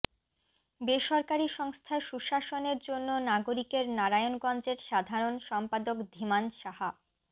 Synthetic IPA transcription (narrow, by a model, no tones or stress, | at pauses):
beʃɔɾkaɾiʃɔŋst̪ʰaʃuʃaʃoneɾd͡ʑonːonaɡoɾikeɾnaɾajonɡɔnd͡ʑeɾʃad̪ʱaɾonʃɔmpad̪okd̪ʱimanʃaɦa